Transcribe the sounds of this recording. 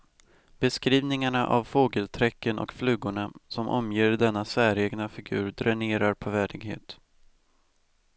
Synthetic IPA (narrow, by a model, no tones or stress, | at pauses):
b̥ɛskɾiːvnɪŋaɳaʔa̰vfoːɡəlt̪ʰɾɛkːənʔɔ̰kflʉ̟ːɡʊɳasɔmʔɔ̰mjeːɾɖɛnːasæːɾeːɡnafɪɡʉ̟ːɾd̪ɾɛneːɾaɾpʰɔvæːɖɪɡɦḛːt̪